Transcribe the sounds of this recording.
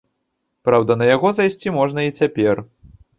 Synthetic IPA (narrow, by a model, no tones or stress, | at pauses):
pɾawd̪ɐnɐjaɣɔzajsʲt͡sʲimɔʐnɐit͡sʲapʲɛr